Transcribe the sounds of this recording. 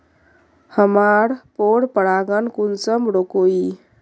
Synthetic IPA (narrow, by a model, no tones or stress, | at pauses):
həmaɾpoɽpəɽaɡənkunsəmbɽokoi